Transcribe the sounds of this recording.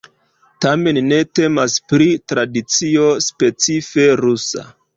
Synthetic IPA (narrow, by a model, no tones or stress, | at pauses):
tame̞nːe̞te̞maspɾitɾadit͡sio̞spe̞t͡sife̞ɾusa̰